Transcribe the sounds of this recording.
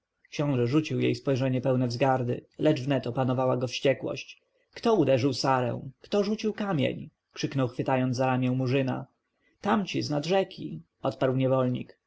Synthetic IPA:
kɕɔ̃w̃ʐɛʐut͡ɕiwjḛjspɔjʐɛɲɛpɛwnɛvzɡaɾd̪ɘ̰lɛd͡ʐvnɛt̪ɔpanɔvawaɡɔfɕt͡ɕɛkwɔ̰ɕt͡ɕ | kt̪ɔud̪ɛʐɘwsaɾɛ̰̃w̃kt̪ɔʐut͡ɕiwkamʲjḛɲ | kʂɘknɔwxfɘt̪ajɔnzaɾamʲjɛw̃muʐɘna̰ | t̪amt͡ɕiznad̪ʐɛkʲḭ | ɔt̪paɾwɲɛvɔlɲḭk

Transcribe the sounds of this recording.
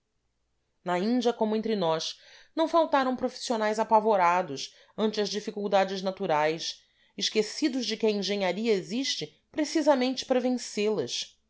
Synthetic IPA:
nɐĩnd͡ʒɐkõmʊẽnt̪ɾɪnɔs | nɐ̃w̃fawt̪aɾɐ̃w̃pɾofi̥sionajzapavoɾad̪ʊs | ɐ̃nt͡ʃɪɐzd͡ʒifikuwd̪ad͡ʒɪznat̪uɾajs | ɪʃkesid̪ʊzd͡ʒɪkʲɪɐẽŋʒẽɲaɾiɐeziʃt͡ʃɪ | pɾesizɐmẽnt͡ʃɪ̥pɾɐvẽselɐs

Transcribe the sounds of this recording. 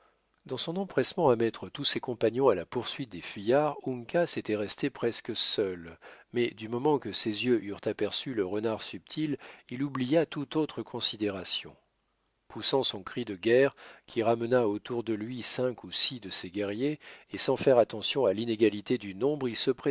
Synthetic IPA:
d̪ɑ̃sɔ̃nɑ̃pχɛsmɑ̃amɛt̪χət̪usekɔ̃paɲjɔ̃alapuʁsɥit̪̚d̪efijaʁuŋkaset̪ɛʁɛst̪epχɛskəsœlmɛd̪ymɔmɑ̃kəsezjøʔyʁt̪apɛʁsyləʁənaʁsyp̚t̪ʰililublijat̪ut̪ot̪χəkʰɔ̃sid̪eʁasjɔ̰̃ | pusɑ̃sɔ̃kχid̪əɡʲɛʁkʲʰiʁamənaot̪uʁd̪əlɥisɛ̃kusid̪əseɡʲɛʁjeesɑ̃fɛʁat̪ɑ̃sjɔ̃alineɡalit̪ed̪ynɔ̃bʁilsəpχe

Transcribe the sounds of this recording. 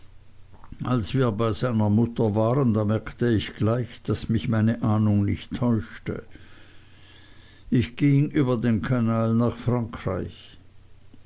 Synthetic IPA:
ʔalsv̥iːɐbaɪzaɪnɐmʊtɐvaːʁəndaːmɛɐktəɪçɡ̥laɪçd̥asmɪçmaɪnəʔaːnʊŋnɪçtʰːɔʏʃtə̰ | ʔɪçɡ̥ɪŋʔyːbɐdeːnkʰanaːlnaːχfʁ̥aŋkʁ̥a̰ɪç

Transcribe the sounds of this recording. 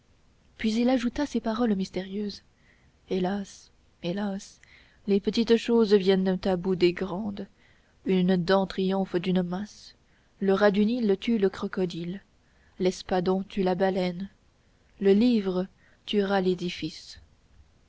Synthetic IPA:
pɥizilaʒut̪asepaʁɔlmist̪eʁjøːz | elas | elas | lepət̪it̪ʃozvjɛnd̪ɛ̃t̪abud̪eɡʁɑ̃d̪ | ynd̪ɑ̃t̪χijɔ̃fd̪ynmas | ləʁad̪ynilt̪ʰyləkχɔkɔd̪il | lɛspad̪ɔ̃t̪ʰylabalɛn | ləlivʁə | t̪yʁaled̪ifis

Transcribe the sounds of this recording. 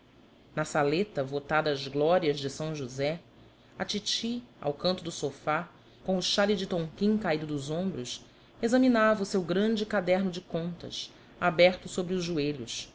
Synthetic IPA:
nɐsalet̪ɐvot̪ad̪ɐːzɡlɔɾiɐzd͡ʒɪsɐ̃w̃ʒuzɛ | ɐt͡ʃit͡ʃia̰wkɐ̃nt̪ʊd̪ʊsofa | kõʊʃalɪd͡ʒɪt̪õŋkĩŋkaid̪ʊd̪ʊzõmbɾʊs | ezɐminavɐʊsewɡɾɐ̃nd͡ʒɪkad̪ɛɾnʊd͡ʒɪkõnt̪ɐ̰s | abɛɾt̪ʊsobɾiʊʒʒueʎʊs

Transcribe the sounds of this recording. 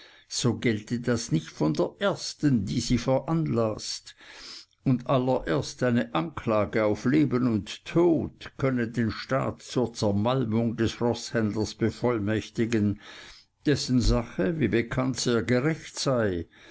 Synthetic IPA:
z̥oːɡɛltədasnɪçtfɔndeːɐʔeːɐstəndiːziːfɛɐʔanlast | ʊndalːɐʔeːɐstʔaɪnəʔankʰlaːɡəaʊfleːbənʊntʰːoːtkʰœnədeːnʃta̰ːtt͡suːɐt͡sɛɐmalmʊŋdɛsʁɔshɛndlɐsb̥əfɔlmɛçtɪɡən | d̥ɛsn̩zaχəviːbəkʰantz̥eːɐɡəʁɛçtsaɪ

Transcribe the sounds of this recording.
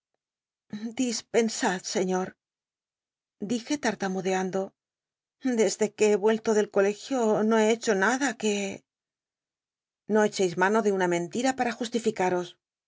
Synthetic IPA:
d̪ispe̞nsaðse̞ɲo̞ɾ | d̪ixe̞t̪aɾt̪amuðe̞and̪o̞ | d̪e̞zðe̞ke̞eβwe̞lt̪o̞ðe̞lko̞le̞xjo̞no̞ee̞t͡ʃo̞naðake̞ | no̞e̞t͡ʃejzmano̞ðe̞unamẽ̞nt̪iɾapaɾaxust̪ifikaɾo̞s

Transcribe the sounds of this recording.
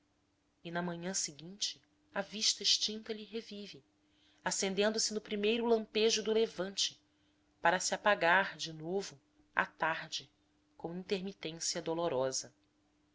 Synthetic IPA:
ɪnɐmɐ̃ɲɐ̃sɪɡĩnt͡ʃɪ̥ | ɐviʃt̪ɐiʃt͡ʃĩnt̪ɐʎiɦevivɪ | asẽnd̪ẽnd̪ʊsɪnʊpɾimejɾʊlɐ̃mpeʒʊd̪ʊlevɐ̃nt͡ʃɪ̥ | paɾɐsɪapaɡaɾd͡ʒɪnovʊ | a̰t̪aɾd͡ʒɪ | kõmʊĩnt̪eɾmit̪ẽsiɐd̪oloɾɔzɐ

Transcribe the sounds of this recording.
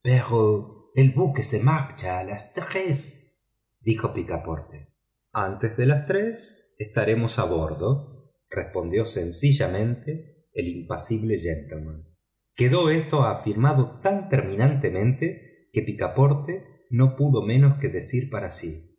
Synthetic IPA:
peʁoelβukesemakt͡ʃaːlast̪ʁes | d̪ixo̞pikapo̰ɾt̪e̥ | ant̪ezðelast̪ɾesest̪aɾe̞mo̞saβo̞ɾðo̞ | respo̞nd̪jo̞sensiʒamẽ̞nt̪eː | limpasiβleʒent̪emon | keðo̞est̪oafiɾmaðot̪ant̪eɾmĩnant̪emẽ̞nt̪e | kepikapo̞ɾt̪e | no̞puðo̞mẽ̞noske̞ðe̞siɾpaɾasi

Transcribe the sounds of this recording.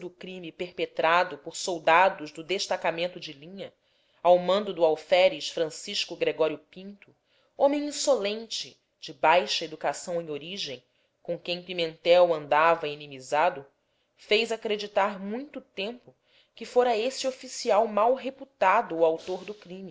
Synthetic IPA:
d̪ʊkɾĩmipeɾpet̪ɾad̪ʊpoɾsowd̪ad̪ʊʒd̪ʊd̪eʃt̪akamẽnt̪ʊd͡ʒɪlĩɲɐ | awmɐ̃nd̪ʊd̪ʊawfɛɾiʃfɾɐ̃siʃkʊɡɾeɡɔɾjʊpĩnt̪ʊ | õmẽj̃ĩsolẽnt͡ʃɪ | d͡ʒɪbajʃɐed̪ukasɐ̃w̃ẽj̃oɾiʒẽj̃ | kõkẽj̃pimẽnt̪ɛwɐ̃nd̪avɐinĩmizad̪ʊ | fejzakɾed͡ʒit̪aɾmũj̃t̪ʊt̪ẽmpʊ | kɪfoɾɐesɪofisiawmawɦeput̪ad̪ʊːawt̪oɾd̪ʊkɾĩmi

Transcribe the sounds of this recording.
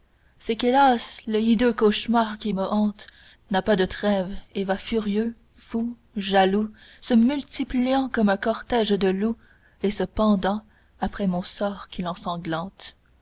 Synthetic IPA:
sɛkelasləid̪økoʃmaːʁkʲiməʔɑ̃t̪ | napad̪ət̪χɛvevafyʁjø | fu | ʒalusəmylt̪iplijɑ̃kɔmɛ̃kɔʁt̪ɛʒd̪əlu | esəpɑ̃d̪ɑ̃ | apχɛmɔ̃sɔːʁkʲilɑ̃sɑ̃ɡlɑ̃t̪

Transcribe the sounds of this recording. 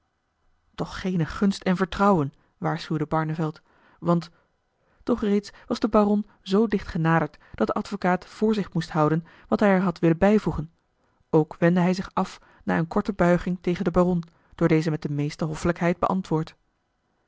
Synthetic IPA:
tɔχχejnəχɵnstɛnvəɹtrɑwən | ʋaːɹsχywdəbɑɹnəvɛlˠt | ʋɑnt | tɔχrejtsʋɑzdəbarɔn | zowdɪχtχənaːdəɹtd̥ɑt̚d̥əʔɑtfokaːtfʊːɹzɪχmustɦʌwdən | ʋɑtɦɛjɛɹɦɑtʋɪlənbɛjvuχən | owkʋɛndəɦɛjzɪχɑf | naːɹənkɔɹtəbœɥχɪŋtejχəndəbarɔn | d̥ʊːɹdejzəmɛt̚dəmejstəɦɔfələkɦɛjd̚bə̰ʔɑ̰ntʋʊːɹt

